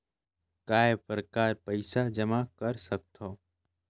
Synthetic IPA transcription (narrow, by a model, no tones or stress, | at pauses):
kaːepɾəkaːɾpəɪsad͡ʒəmakəɾsək̚t̪ʰoː